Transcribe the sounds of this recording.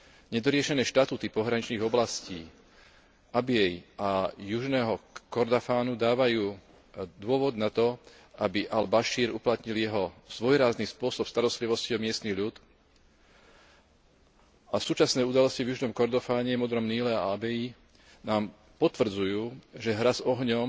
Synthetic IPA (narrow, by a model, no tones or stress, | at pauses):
ɲɛd̪ɔɾɪɛʃɛnɛːʃt̪at̪uːt̪ipɔɦɾaɲit͡ʃniːɣɔblasciː | abɪɛjajuʒnɛːɦɔkɔɾd̪afaːnud̪aːʋajuː | d̪ʊɔʋɔd̪nat̪ɔ | ʔabiʔalbaʃiːɾṵplat̪ɲiljɛɦɔz̥ʋɔjɾaːzniːspʊɔsɔpst̪aɾɔst̪liʋɔsciɔmɪɛst̪niɣʎut̪ | asuːt͡ʃasnɛːud̪alɔscivjuʒnɔmkɔɾd̪ɔfaːɲɛmɔd̪ɾɔmniːlɛa̰abɛji | naːm | pɔt̪ʋr̩d͡zujuːʒɛɦɾazɔɦɲɔm